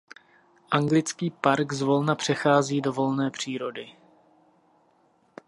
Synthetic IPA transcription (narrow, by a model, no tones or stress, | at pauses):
ʔaŋɡlɪt͡skiːpaɾɡzvo̞lnapr̝̥ɛxaːziːdo̞vo̞lnɛːpr̝̥iːɾo̞dɪ